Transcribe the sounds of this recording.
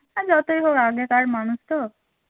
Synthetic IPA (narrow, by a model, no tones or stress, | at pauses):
ad͡ʒɔt̪ojɦowaɡekaɾmanust̪ɔ